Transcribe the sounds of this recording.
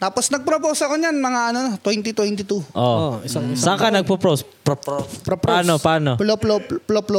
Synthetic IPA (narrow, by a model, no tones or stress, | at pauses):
t̪aːposnɐɡ̚pɾopoːsoʔɐkoɲanmɐŋaɐnot̪wɛnt̪ɪt̪wɛnt̪ɪt̪uʔooɪsaŋsakanɐɡ̚popɾos | poaːnopaːnoploplopploplo